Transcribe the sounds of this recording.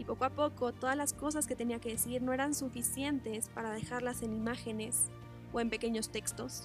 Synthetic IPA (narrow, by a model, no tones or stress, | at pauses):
ipo̞koapo̞ko̞t̪o̞ðazlasko̞s̬aske̞t̪e̞niake̞ðesiɾno̞e̞ɾansufisje̞nt̪e̞spaɾað̞e̞xaɾlase̞nimaxe̞ne̞s | oe̞mpe̞ke̞ɲo̞st̪e̞kst̪o̞s